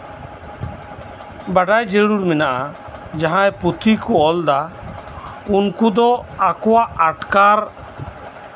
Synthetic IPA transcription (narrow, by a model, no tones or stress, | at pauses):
baɖajd͡ʒeɽuɾmɛnaʔa | d͡ʒaɦãɛput̪ʰikɔɔld̪a | unkud̪ɔakɔwaʔaʈkaɾ